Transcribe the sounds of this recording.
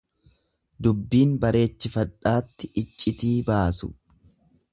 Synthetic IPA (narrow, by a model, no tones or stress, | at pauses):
d̪ʊbːiːnbɐɾe̞ːt͡ʃːɪfɐᶑaːt̪ːɪʔɪt͡ʃʼːɪt̪iːbaːsʊ̰